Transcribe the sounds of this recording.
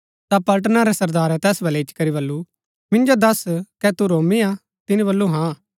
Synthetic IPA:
t̪apɐlʈ̬naɾɛsɐɾd̪aːɾɛt̪ɛːsbɐlɛɪt͡ʃkɐɾiβɐlːu | mɪ̃nd͡ʒod̪ɐskɛt̪uɾoːmia | t̪ɪnĩbɐlːuɦã

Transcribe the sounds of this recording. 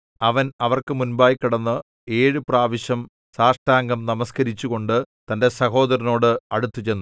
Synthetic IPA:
ɐʋɐnɐʋɐrkɨmunbaːjkːiɽɐnːɨ | e̞ːɻɨpraːʋiɕjɐm | saːʂʈaːŋɡɐmnɐmɐskɐɾit͡ɕːuɣo̞ɳɖɨt̪ɐnde̞sɐho̞ːd̪ɐɾɐno̞ːɽɨɐɽut̪ːut͡ɕe̞nːu

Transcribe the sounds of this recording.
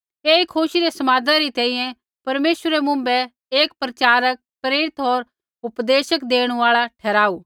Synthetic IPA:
eːikʰoːʃid̪esɐmaːd̪ãɾit̪ɛ̃ːĩjɛ̃ | pɐɾmeːʃwəɾɛmʊ̃mbɛ | eːk̚pɾɐt͡ʃaːɾək̚pɾeːɾɪt̪ɦoːɾ | ʊpd̪eːʃəkd̪eːɽ̃uaːɭaʈʰɛːɾaːuː

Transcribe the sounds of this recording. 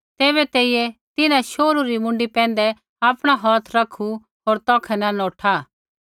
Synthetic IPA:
t̪eːbɛt̪eːiɛt̪ɪnãʃoːɾuɾimʊ̃ɳɖipɛ̃ːnd̪ɛ | aːpɽ̃aɦɔːt̪ʰɾɐkʰu | ɦoːɾt̪ɔːkʰɛnanɔːʈʰa

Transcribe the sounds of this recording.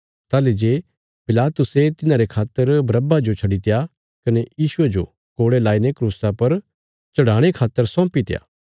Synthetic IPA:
t̪aːled͡ʒeː | pɪlaːt̪ʊset̪ɪnãɾekʰaːt̪ːəɾbɾɐbad͡ʒot͡ʃʰɐɽit̪eja | kɐnejiːsʊed͡ʒo̰ | koːɽelaːinekɾuːsapɐɾ | t͡ʃɐɽaːɽ̃ekʰaːt̪ːəɾsɔ̃ːpit̪ɪja̰ː

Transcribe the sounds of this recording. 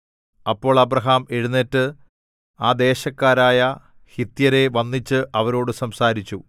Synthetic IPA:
ɐpːo̞ːɭɐbrɐɦaːmeɻunːetːɨ | aːd̪e̞ːɕɐkːaːɾaːjɐ | hit̪jɐɾe̞ʋɐnːit͡ɕːɨʔɐʋɐɾo̞ːɽɨsɐmsaːɾit͡ɕːu

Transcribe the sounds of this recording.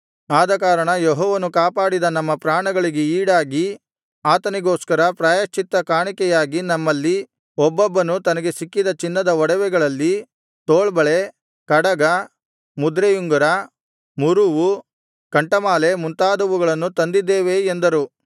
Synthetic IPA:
aːd̪ɐkaːɾɐɳɐjeɦɔːʋɐnukaːpaːɽid̪ɐnɐmːɐpɾaːɳɐɡɐɭiɡe̞iːɽaːɡi | aːt̪ɐniɡoːskɐɾɐpɾaːjɐt͡ʃit̪ːɐkaːɳikɛjaːɡinɐmːɐlːi | ɔbːɔbːɐnut̪ɐnɐɡe̞sikːid̪ɐt͡ʃinːɐd̪ɐɔɽɐʋɛɡɐɭɐlːi | t̪oːɭbɐɭe | kɐɽɐɡɐ | mud̪ɾejuŋɡɐɾɐ | muɾuʋu | kɐɳʈɐmaːle̞munt̪aːd̪ɐʋuɡɐɭɐnːut̪ɐnd̪id̪ːeːʋeend̪ɐɾu

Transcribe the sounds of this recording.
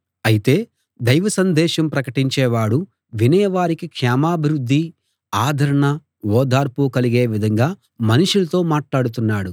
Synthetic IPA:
ɐjit̪e̞ː | d̪ɐjʋɐsɐnd̪ɛːʃɐmpɾɐkɐʈiɲt͡ʃɛːʋaːɽu | ʋinɛːʋaːɾikikʂaːmaːbʱiɾud̪ʱːi | aːd̪ʱɐɾɐɳɐ | ɔːd̪aːɾpukɐliɡe̞ːʋid̪ʱɐŋɡaː | mɐnuʂulɐt̪o̞ːmaːʈlaːɽut̪̬unːaːɽu

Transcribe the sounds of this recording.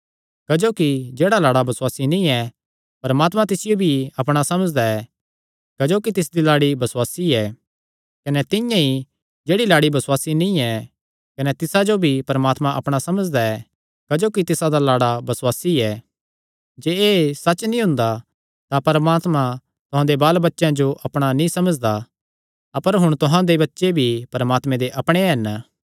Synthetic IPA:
kɐd͡ʒoːkid͡ʒeːɽalaːɽabɐswaːsinĩɛ | pɐɾmaːt̪mãt̪ɪsɪjobʱiɐpɽ̃asɐməd͡ʒd̪aɛ | kɐd͡ʒoːkit̪ɪs̬d̪ilaːɽibɐswaːsiɛ | kɐnɛt̪ɪ̃jãi | d͡ʒeːɽilaːɽibɐswaːsinĩɛ | kɐnɛt̪ɪsad͡ʒobʱipɐɾəmaːt̪mãʔɐpɽ̃asɐməd͡ʒd̪aɛ | kɐd͡ʒoːkit̪ɪsad̪alaːɽabɐswaːsiɛ | d͡ʒeːeːsɐt͡ʃnĩɦʊ̃nd̪a | t̪apɐɾmaːt̪mã | t̪ʊɦãd̪ebaːlbɐtːʃãd͡ʒoʔɐpɽ̃anĩsɐməd͡ʒd̪a | ɐpəɾɦʊɽ̃t̪ʊɦãd̪ebɐtːʃebʱipɐɾəmaːt̪mẽd̪eʔɐpɽ̃eɦɐn

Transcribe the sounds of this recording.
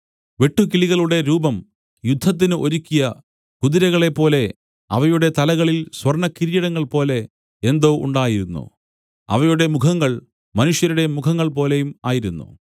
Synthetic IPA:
ʋe̞ʈːukiliɣɐɭuɽe̞ɾuːbɐm | jud̪ʱːɐt̪̬ːinɨʔoɾukʲːijɐ | kuðiɾɐɣɐɭe̞pːo̞ːle̞ | ɐ̰ʋɐjuɽe̞t̪ɐlɐɣɐɭilswɐrɳɐkiɾijɐɽɐŋːɐɭpo̞ːle̞ | end̪o̞ːṵɳɖaːjiɾunːṵ | ɐ̰ʋɐjuɽe̞mukʰɐŋːɐɭ | mɐnuʂjɐɾuɽe̞mukʰɐŋːɐɭpo̞ːle̞jumaːjiɾunːṵ

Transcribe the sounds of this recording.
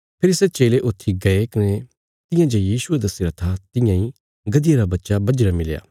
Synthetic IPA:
pʰɪɾset͡ʃeːleʔʊt̪ʰːiɡɐekɪne | t̪ɪ̃jãd͡ʒejiːʃʊed̪ɐsiɾɐt̪ʰat̪ɪjãːĩ | ɡɐd̪ɪjaɾabɐtːʃabɐd͡ʒɾamɪlja̰ː

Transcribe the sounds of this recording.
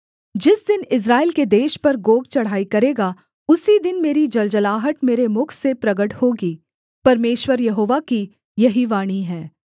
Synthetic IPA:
d͡ʒɪsd̪ɪnɪs̬ɾaːɪlked̪eːʃpɐɾɡoːɡ̚t͡ʃɐɽ̤aːikɐɾeːɡa | ʊsid̪ɪnmeːɾid͡ʒɐld͡ʒəlaːɦəʈmeːɾemʊkʰsepɾɐɡəʈhoːɡiː | pɐɾmeːʃwəɾjɐɦoːʋaki | jɐɦiʋaːɽ̃iɦɛ̃ː

